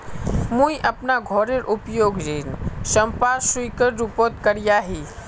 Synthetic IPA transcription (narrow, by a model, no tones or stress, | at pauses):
mũiʔɐpnaɡʱɔɾeɾʔʊpjoːɡɾensə̃mpaːswikəɾɾupot̪kəɾijaɦi